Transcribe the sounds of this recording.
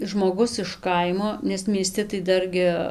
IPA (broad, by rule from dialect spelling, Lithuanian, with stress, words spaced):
ʒmoːˈɡʊs ɪʃ ˈkɐɪmoː nʲɛs mʲiɛˈsʲtʲɪ tɐɪ ˈdɐrʲɡʲɪ